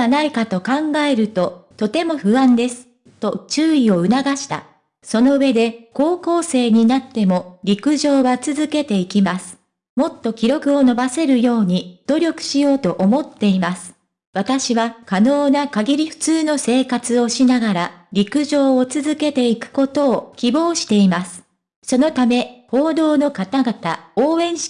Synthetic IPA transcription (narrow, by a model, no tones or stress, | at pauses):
naikat̪o̞kãŋɡae̞ɾɯ̟t̪o̞t̪o̞t̪e̞mo̞ɸɯ̟βãnd̪e̞sɨ̥ | t̪o̞t͡ɕɨːio̞ɯ̟naɡaɕi̥t̪a̰ | so̞no̞ɯ̟e̞d̪e̞ko̞ːko̞ːse̞ːɲ̟inat̪ːe̞mo̞ɾʲikɯ̟ʑo̞ːβat͡sɨzɨke̞t̪e̞ikʲimasɨ̥ | mo̞t̪ːo̞kʲiɾo̞kɯ̟o̞no̞base̞ɾɯ̟jo̞ːɲ̟id̪̥o̞ɾʲo̞kɯ̟̥ɕijo̞ːt̪o̞ʔomo̞t̪ːe̞imasɨ̥ | βat̪aɕiβakano̞ːnakaɡʲiɾʲiɸɯ̟̥t͡sɨːno̞se̞ːkat͡sɨo̞ɕinaɡaɾaɾʲikɯ̟ʑo̞ːt͡sɨzɨke̞t̪e̞ikɯ̟̥ko̞t̪o̞ːkʲibo̞ːɕi̥t̪e̞imasɨ̥ | so̞no̞t̪ame̞ho̞ːd̪o̞ːno̞kat̪aɡat̪aoːẽ̞ɰ